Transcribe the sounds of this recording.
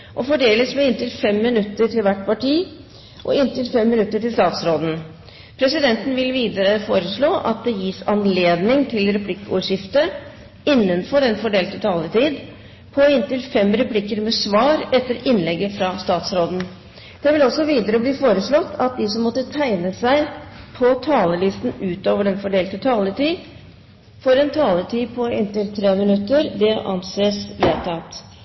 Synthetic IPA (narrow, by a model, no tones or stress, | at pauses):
ʔɔfɔɖeːləsmɛɪnt̪ɪlfɛmːɪnʉt̪ːəʈʰɪlʋæʈːpɑʈiː | ʔɔ̰ɪnt̪ɪlfɛmːɪnʉt̪ːəʈɪlst̪ɑːt̪sɾoːd̪n̩ | pʰɾɛsɪd̪ɛnt̪n̩ʋɪlʋiːd̪əɾəfoːɾəʂɭoːʔɑ̰t̪̚d̪ɛjiːsɑnleːd̪nɪŋt̪ʰɪlɾɛpʰlɪkːṵːʂɪft̪ə | ɪnːənfɔɾɛnfɔɖeːlt̪ət̪ʰɑlːət̪ʰiːd̪ | pʰɔɪnt̪ɪlfɛmɾɛpʰlɪkːəɾmɛsʋɑːɾɛt̪ːəɾɪnːlɛɡːəfɾɑst̪ɑːt̪sɾoːd̪n̩ | d̪̥ɛʋɪlɔsːɔʋiːd̪əɾəbliːfoːɾəsɭɔt̪ːʰɑt̪̚d̪ɪsɔmːɔt̪ːət̪ʰæɪnəsæɪpʰɔt̪ʰɑːləlɪst̪n̩ʉːt̪oːʋəɖɛnfɔɖeːlt̪ət̪ʰɑːləʈ̪iː | fɔɾɛnt̪ʰɑːləʈ̪ʰiːpʰɔɪnt̪ɪlt̪ʰɾeːmɪnʉt̪ːəɾd̪ɛʔɑ̰nseːsʋeːt̪ʰɑt̪